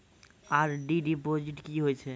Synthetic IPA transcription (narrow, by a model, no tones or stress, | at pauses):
aːɾɖiɖipɾod͡ʒɪʈkiɦoɛt͡ʃʰɛ